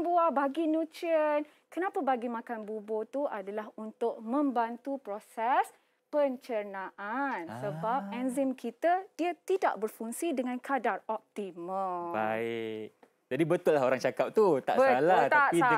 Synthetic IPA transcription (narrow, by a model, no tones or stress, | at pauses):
buabaɡinũt͡ʃən | kənãpabaɡimãkanbubot̪uʔadalahunt̪ʊʔ̚mə̃mbant̪upɾosɛs | pəɲt͡ʃənãʔansəbap̚ɛnzɪmkʰit̪adiat̪ida̰ʔbərfuŋsidəŋãnkʰadarɔp̚t̪iməbaɪʔk | d͡ʒadibət̪ʊlːaɦoɾaŋt͡ʃakap̚t̪ut̪a̰ʔsəɡalat̪ai